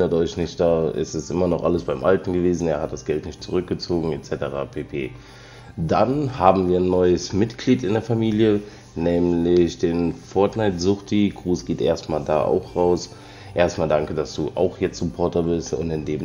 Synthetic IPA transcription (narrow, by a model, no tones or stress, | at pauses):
ɐtʔɔʏçnɪçt̚d̥aːɪ̰stɛsʔɪmɐnɔχʔaləsb̥aɪmʔaltn̩ɡəveːzn̩eːɐhat̚d̥asɡ̥ɛltnɪçtt͡suʁ̞ʏk̚ɡ̥ət͡soːɡŋ̩ɛtt͡sɛtəʁ̞a̰pʰeːpʰeː | d̥anhaːbm̩viːɐnːɔʏəsmɪtɡ̥liːtɪndeːɐfamiːljə | nɛːmlɪçd̥eːnfɔɐtnaɪtz̥ʊχtʰiɡ̥ʁuːsɡ̥eːtʔḛːɐstmaːlda̰ːʔa̰ʊxʁaʊs | ʔeːɐstmaːldaŋkədasd̥uːʔa̰ʊxjɛt͡stz̥ʊpʰɔɐtɐbɪstʊ̰ntɪndeːm